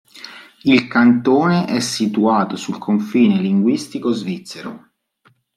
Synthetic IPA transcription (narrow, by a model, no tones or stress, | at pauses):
ilkant̪oːneʔɛsːit̪uaːt̪osulkʰoɱfiːneliŋɡwist̪ikozvit̪sːeɾo